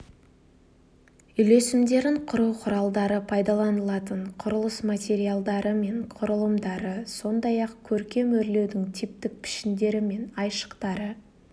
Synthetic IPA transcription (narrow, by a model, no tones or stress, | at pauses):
ʏjle̞sɪmd̪e̞ɾɪŋqʰʊɾuwqʰʊɾɑlˠd̪ɑɾəpʰɑjd̪ɑlˠɑnəlˠɑt̪əɴqʰʊɾəlˠəsmat̪ʲe̞ɾijalˠd̪ɑɾəme̞ɴqʰʊɾəlˠəmd̪ɑɾəso̞nd̪ɑjɑqkʲʰɵɾkʲe̞mɵɾle̞wd̪ɪŋt̪ʰip̚t̪ɪk̚pʰɪ̥ʃɪnd̪e̞ɾɪme̞nɑjʃə̥qt̪ɑɾə